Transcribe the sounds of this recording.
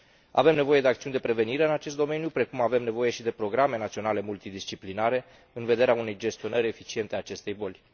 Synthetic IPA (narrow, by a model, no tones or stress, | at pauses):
a̰ve̞mne̞vo̞je̞d̪eakt̪siunʲd̪e̞pɾe̞ve̞niɾe̞ɨnat͡ʃe̞s̬t̪d̪o̞me̞njupɾe̞kumave̞mne̞voje̞ʃid̪e̞pɾo̞ɡɾame̞nat̪sio̞nale̞mult̪id̪ist͡ʃiplinaɾe̞ | ɨnve̞d̪e̞ɾeaune̞jd͡ʒe̞st̪io̞nəɾʲe̞fit͡ʃie̞nt̪eat͡ʃe̞st̪e̞jbo̞lʲ